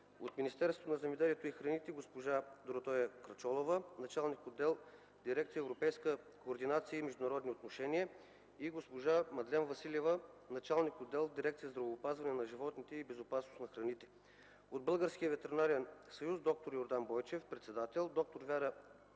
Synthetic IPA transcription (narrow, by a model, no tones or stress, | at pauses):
ot̪minʲist̪ɛɾst̪onɐzɛmɛd̪ɛliɛt̪oixɾɐnit̪ɛɡospoʒad̪oɾot̪ɔjəkɾɐt͡ʃɔlˠovənɐt͡ʃalˠnikod̪ːɛlˠ | d̪iɾɛk̚t̪sijəɛvɾopɛjskə | koːɾd̪inat̪siəimɛʒd̪ʊnɐɾɔd̪niot̪noʃɛniə | iɡospoʒamɐd̪lʲɛnvɐsilʲɛvənɐt͡ʃalˠnikod̪ːɛlˠd̪iɾɛk̚t̪sijəzd̪ɾɐvoːpazvɐnɛnɐʒivɔt̪nit̪ɛibɛzopasnosnɐxɾɐnit̪ɛ̥ | od̪̚bɤlˠɡəɾsk̟iəvɛt̪ɛɾinaɾɛnsɐjuzd̪ɔk̚t̪oɾjoɾd̪anbɔjt͡ʃɛfpɾɛt̪sɛd̪at̪ɛlˠd̪ɔk̚t̪oɾvʲaɾə